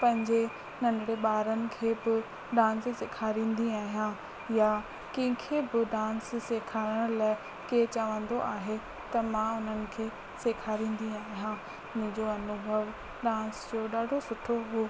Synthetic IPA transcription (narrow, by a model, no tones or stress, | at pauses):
pɐ̃ɦɪ̃ɲd͡ʑe | nɐ̃nɪɽeɓaːɾənɪ̆kʰeːbɪ | ɖãːnssɪkʰaːɾĩːnd̪iaːɦijã | ja | kɐ̃ɦɪ̃kʰeːbɪɖãːnssekʰaːɾəɽ̃ʊlaː | ket͡ɕaʋə̃nd̪oʔaːɦe | t̪ɐmãʊn̤ənɪ̆kʰeː | sekʰaːɾĩːnd̪iaːɦijãː | mʊ̃ɦɪ̃ɲd͡ʑoɐnʊbʱəʋ | ɗãːnsd͡ʑoːɗaːɖʱosʊʈʰoɦoː